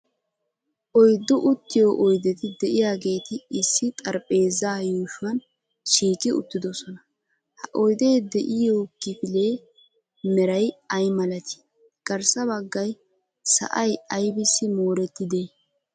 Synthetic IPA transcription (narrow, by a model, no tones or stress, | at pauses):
ʔɔjd̪ːʊʔʊt̪ːɪjoːʔɔjd̪ɛt̪ɪd̪ɛʔɪjaːɡe̞ːt̪ɪɪsːɪt̪ʼɐɾpʼe̞ːzaːjuːʃʊwɐn | ʃiːkʼɪʊ̰t̪ːɪd̪ɔsɔnɐ | hɐʔɔjd̪e̞ːd̪ɛʔɪjoːkɪfɪle̞ː | mɛɾɐjɐjmɐlɐt̪ɪ̥ | ɡ̥ɐɾsɐbɐɡːɐj | sɐ̰ʔɐjɐjbɪsːɪmoːɾɛt̪ːɪd̪eː